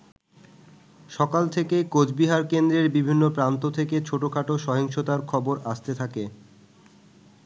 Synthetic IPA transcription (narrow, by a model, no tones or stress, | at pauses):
ʃɔkalt̪ʰekekod͡ʑbiɦaɾkend̪ɾeɾbibʱinːopɾant̪ot̪ʰeket͡ɕʰoʈokʰaʈoʃɔɦiŋʃot̪aɾkʰɔboɾaʃt̪et̪ʰake